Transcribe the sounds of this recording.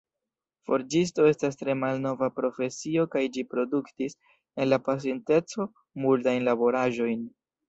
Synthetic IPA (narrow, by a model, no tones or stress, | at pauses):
fo̞ɾd͡ʒis̬to̞e̞stastɾe̞malno̞vapɾo̞fe̞sio̞kajd͡ʒipɾo̞duktis | e̞nlapas̬e̞nte̞t͡so̞ | multajnlabo̞ɾaʒo̞jn